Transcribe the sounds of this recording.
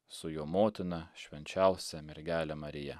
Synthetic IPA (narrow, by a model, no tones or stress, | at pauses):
sʊjoːmoːt̪ʲɪnɐʃʲʋʲɛnʲt͡ʃʲɛˑʊsʲɛmʲɪɾʲɡʲæːlʲɛmɐɾʲɪjɛ